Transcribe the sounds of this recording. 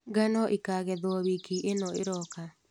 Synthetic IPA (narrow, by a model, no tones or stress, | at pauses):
ɡanɔʔikaːɣɛðwɔβikiʔenɔḛɾɔka